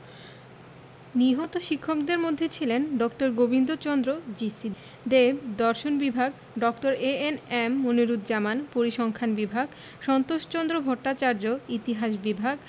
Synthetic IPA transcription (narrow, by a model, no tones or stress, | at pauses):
niɦɔt̪oʃikʰːokd̪eɾmod̪ʱːet͡ɕʰilenɖɔkʈoɾɡobind̪ot͡ɕɔnd̪ɾod͡ʑisi | d̪ebd̪ɔɾʃonbibʱaɡ | ɖɔkʈoɾeenemːoniɾud̪d͡ʑamanpoɾiʃɔŋkʰanbibʱaɡ | ʃɔnt̪oʃt͡ɕɔnd̪ɾobʱɔʈːat͡ɕaɾd͡ʑoit̪iɦaʃbibʱaɡ